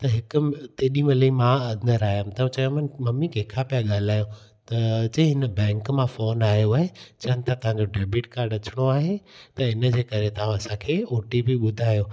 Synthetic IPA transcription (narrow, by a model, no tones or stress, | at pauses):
t̪ɐɦɪkʊmt̪eːɗĩmeləĩmãɐ̃nd̪əɾaːjamt̪ɐũt͡ɕɐjõmɐnmɐmikeːkʰapijaɠaːl̤aːjõ | t̪ɐt͡ɕɐ̃ɦɪnəbɛ̃ːŋkmãfoːnaːɦjoaːɦet͡ɕɐɦənɪ̆t̪ʰat̪ɐʋ̤ãɲd͡ʑoɖeːbɪʈkaːɾɖɐt͡ɕʰɪɽ̃oaːɦet̪ɐɪnəd͡ʑeːkɐɾet̪ɐɦãɐsãkʰeːoːʈibiɓʊd̪ʱaːjo